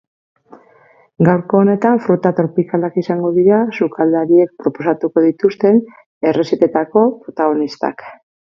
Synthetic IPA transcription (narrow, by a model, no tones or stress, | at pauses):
ɡawɾko̞ːne̞t̪aɱfɾut̪at̪ɾo̞pikalakisaŋɡo̞ðiɾasukʰald̪aɾie̞k̚pɾo̞po̞sat̪uko̞ðit̪ust̪e̞n | e̞re̞set̪e̞t̪ako̞pɾo̞t̪aɣ̞o̞nist̪a̰k